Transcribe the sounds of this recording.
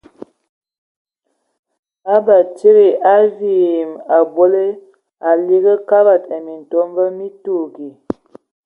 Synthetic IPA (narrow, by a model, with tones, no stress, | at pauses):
a˦ba˨t͡ʃi˦ɾi˨a˦vi˦˨ma˨bo˦le˦ | a˨li˦ɣə˦ka˦ba˨ta˨mi˨n˨to˦mbə˦mi˦tu˦˨ɡi˨